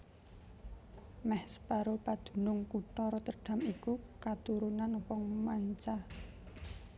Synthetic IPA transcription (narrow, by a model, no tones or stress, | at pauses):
mɛhspaɾopad̪̥ṳnʊŋkuʈ̪ɔɾɔt̪əɖ̥a̤mikukat̪uɾunanwɔŋmaɲt͡ʃa